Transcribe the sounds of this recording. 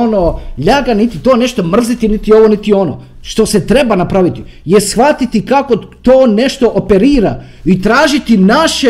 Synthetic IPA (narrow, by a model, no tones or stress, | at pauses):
onoʎaɡanit̪it̪o̞ːne̞ʃt̪o̞mr̩zit̪init̪io̞ʋo̞nit̪io̞no̰ | ʃt̪o̞set̪ɾe̞banapɾaʋit̪i | jesxʋat̪it̪ikako̞t̪oːne̞ʃt̪o̞ʔopeɾiːɾa | it̪ɾaːʒit̪inaʃe